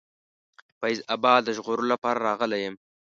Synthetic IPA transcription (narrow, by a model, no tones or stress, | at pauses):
pazabɑd̪əʒʁoɾolapɑɾaɾɑɣəlajəm